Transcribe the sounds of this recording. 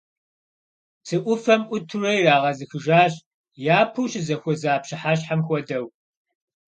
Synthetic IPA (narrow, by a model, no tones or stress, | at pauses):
t͡sʰɨʔʷʊfɐmʔʷʊtʰurɐjraːʁɐzɨxɨʒaːɕʼ | jaːpʰɨwɕɪzɐxʷɔzaːpɕɪħaɕ̬ħamxʷɔdɐw